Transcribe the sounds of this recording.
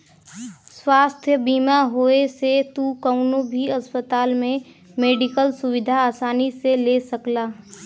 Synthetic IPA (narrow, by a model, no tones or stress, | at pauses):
swaːst̪ʰjəbiːmaɦoːeset̪ukəʊnõbʱiɐspət̪aːlmẽ | meːɖɪkəlsʊwɪd̪ʱaːsaːniseleːsəklaː